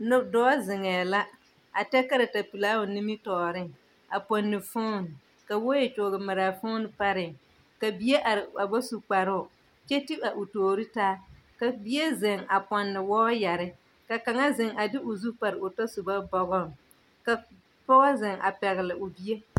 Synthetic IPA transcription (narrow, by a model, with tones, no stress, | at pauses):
n˦dɔː˦zɪ˨ŋɛː˨la˦ | a˨tɛ˦ka˦ɾa˨ta˨pi˨laː˦ʊ˨nɪ˦mɪ˦tɔː˨ɾɪ˦ŋ | a˨pɔ˨nːɪ˨fo˦˨n˨ | ka˨wo˦je˨t͡ʃʊ˨ɡɪ˨ma˨ɾa˨fo˦n˨pa˦ɾɪ˨ŋ | ka˨bi˦e˦ʔa˨ɾɪ˨a˨ba˦su˨k͡pa˨ɾʊ˦˨ | t͡ʃɛ˦ti˦a˨ʔʊ˨toː˨ɾi˦taː˦ka˨bi˦e˦zɪ˨ŋa˨pɔ˨nːɪ˨wɔː˦ja˨ɾɪ˦ | ka˨ka˨ŋa˦zɪ˨ŋa˨dɪ˦ʔʊ˨zu˦k͡pa˨ɾɪ˨ʊ˨tɔ˦su˨ba˦bɔ˨ɣɔ˦˨ŋ | ka˨ | tɔ˦a˦zɪ˨ŋʔa̰˨pɛ˨ɣɪ˨lɪ˨ʔʊ˨bi˦e˦